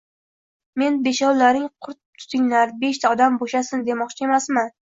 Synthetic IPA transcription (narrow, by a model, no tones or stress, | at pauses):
me̞nbe̞ʃɒwlaɾɪŋqʰʊɾt̪̚t̪ʰʊ̥t̪ʰɪŋlaɾbe̞ʃt̪ʰaɒd̪amboʃasɪnd̪e̞mɒqt͡ʃʰae̞masman